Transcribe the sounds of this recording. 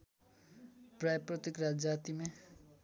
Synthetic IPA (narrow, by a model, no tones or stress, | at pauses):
prajprʌt̪ikɾad͡zat̪ime